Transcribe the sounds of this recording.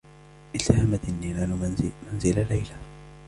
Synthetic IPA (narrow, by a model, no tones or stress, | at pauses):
ʔɪlt̪ahamat̪ɪnːinanmanzɪlalajla